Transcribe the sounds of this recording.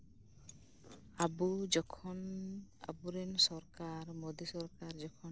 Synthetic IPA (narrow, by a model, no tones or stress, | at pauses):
abud͡ʒɔkʰɔna̰buɾensɔɾkaɾmod̪isɔɾkaɾd͡ʒɔkʰɔ